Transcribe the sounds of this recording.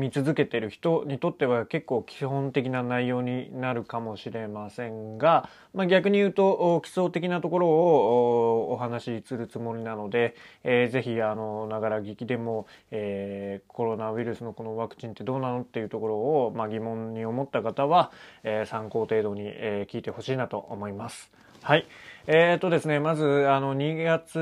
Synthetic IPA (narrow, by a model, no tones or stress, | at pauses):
mʲit͡sɨzɨke̞t̪e̞ɾɯ̟çi̥t̪o̞ɲ̟it̪o̞t̪ːe̞β̞ake̞kːo̞ːkʲihõ̞nt̪e̞k̬ʲinanaijo̞ːɲ̟inaɾɯ̟kamo̞ɕiɾe̞masẽ̞ŋɡa | maɡʲakɯ̟ɲ̟ijɯ̟ːt̪o̞ʔkʲi̥so̞ːt̪e̞k̬ʲinat̪o̞ko̞ɾo̞ː | ɦanaɕisɨɾɯ̟t͡sɨmo̞ɾʲinano̞d̪e̞ze̞çiano̞naɡaɾaɡʲikʲid̪e̞mo̞eːkʰo̞ɾo̞naɯ̟iɾɯ̟sɨno̞ko̞no̞βakɯ̟̥t͡ɕĩnt̪e̞d̪o̞ːnano̞t̪ːe̞jɯ̟t̪o̞ko̞ɾo̞ːmaɡʲimõ̞ɲɲio̞mo̞t̪ːakat̪aβaeːsãŋko̞ːt̪e̞ːd̪o̞ɲ̟ḭeːkʲiːt̪e̞ho̞ɕiːnat̪o̞ʔo̰mo̞imasɨ̥ | haieːt̪o̞d̪e̞sɨne̞mazɨano̞ɲ̟iɡat͡sɨ